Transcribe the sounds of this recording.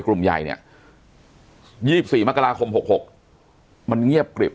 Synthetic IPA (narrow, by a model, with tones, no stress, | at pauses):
klu˨˩mja̰˨˩jnḭ˦˩ɐ | jiː˥˩si˨˩p̚siː˨˩ma˦˥ka˧ɾaː˧kʰo˧mho˨˩k̚ho˨˩k̚ | ma˧nŋi˥˩əp̚kɾḭ˨˩p̚